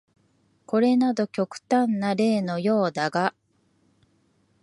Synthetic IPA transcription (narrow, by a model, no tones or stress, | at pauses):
ko̞ɾe̞nad̪o̞kʲo̞kɯ̟̥t̪ãnːaɾe̞ːno̞jo̞ːd̪aɡa